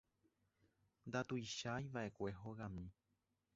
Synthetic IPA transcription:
nd̪at̪ujʃajʋaʔe̞kʷe̞ɦoɣãmĩ

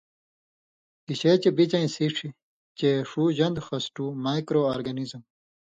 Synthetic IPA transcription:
kiɕet͡ɕebit͡ɕɐĩsiːʈ͡ʂʰi | t͡ɕeʂuːʑɐnd̪xɐsʈuːmaːjkɾoːaːɾɡɐnizm

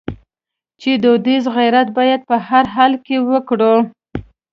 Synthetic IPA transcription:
t͡ʃed̪od̪izɣijɾat̪̚bɑjad̪̚pəhaɾɦɑlkewəkɽu

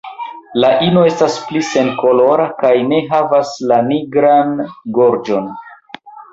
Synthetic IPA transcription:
laʔino̞e̞stasplise̞nko̞lo̞ɾakajne̞ɦavaslaniɡɾanɡo̞ɾd͡ʒo̞n

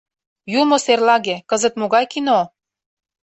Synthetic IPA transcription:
jumoserlɑɣekɤzə̆t̪moɣɑjkino

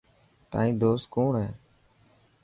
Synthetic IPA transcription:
t̪a̰ːĩːd̪oːst̪̚koːɳɦɛː

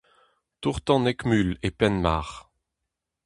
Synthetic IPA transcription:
t̪uʁt̪ɑ̃nɛkmylepɛnma̰ːʁ

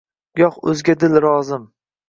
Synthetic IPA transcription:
jɒqɵ̰zɡʲad̪ɪlɾɒzɪm

